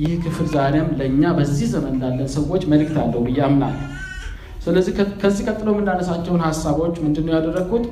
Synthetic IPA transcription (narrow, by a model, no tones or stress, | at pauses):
jɪhkʰɨfɨlzaɾeamləɨɲːabəzːihzəmənd̪alːənsəwo̞t͡ʃːməlɨk̚t̪ʰalːəhubɨjamna̰lː | sɨləzːihkʰəzːihkʼət̪ʼːɨlomɨnd̪anəsat͡ʃːɛwunhasːaβo̞t͡ʃːmɨnd̪ɨnːəwjad̪ərːəɡut̪